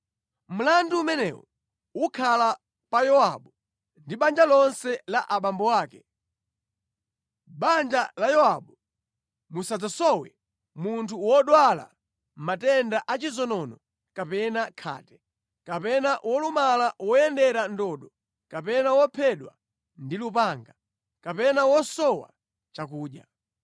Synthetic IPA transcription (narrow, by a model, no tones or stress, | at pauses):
m̩landuːmɛnɛ̰wɔ | ukʰala | pajɔwa̰ɓu | ndiɓand͡ʒalɔnsɛlaʔaɓambɔwaːkɛ | ɓand͡ʒalajɔwaɓu | musad͡zasɔwɛ̰ | muntʰuwɔɗwala̰ | m̩matɛndaʔat͡ʃizɔnɔnɔ | kapɛnakʰa̰ːtɛ̥ | kapɛnaʔwɔlumalawɔjɛndɛɾandɔɗɔ | kapɛnawɔpʰɛɗwa | ndilupaːŋɡa | kapɛnawɔsɔwa̰ | t͡ʃak̬uːɗja̰